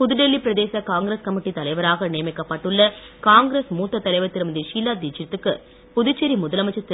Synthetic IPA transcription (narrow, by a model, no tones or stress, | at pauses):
pʊðʊɖɛlːipɪɾɐðeːsɐkaːŋɡɾeːskɐmɪʈːit̪ɐlɐɪʋɐɾaːɣɐnijɐmɛkːɐpːɐʈːɯɭːɐkaːŋɡɾeːsmuːt̪ːɐt̪ːɐlɐɪʋɐt̪ːɪɾɯmɐnðiʂiːlːaːd̪iːt͡ʃːɪɾt̪ːɯkːɯ | pʊðʊt͡ʃːɐɾimʊðɐlɐmɐt͡ʃːɐt̪ː